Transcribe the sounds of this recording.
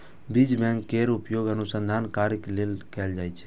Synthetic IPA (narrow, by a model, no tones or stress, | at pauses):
bid͡ʒbɛ̃ŋkːeɾupjoɡənusənd̪ʱankaɾiklelkɛld͡ʒajt͡ʃʰɛ̥